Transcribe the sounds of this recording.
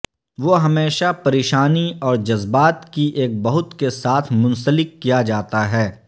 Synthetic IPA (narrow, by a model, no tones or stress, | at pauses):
ʋoːɦɐmeːʃapɐɾeːʃaːniɔːɾd͡ʒɐzbaːt̪kiʔeːk̚bɐɦʊt̪kesaːt̪ʰmʊ̃nsəlɪkːijad͡ʒaːt̪aɦɛː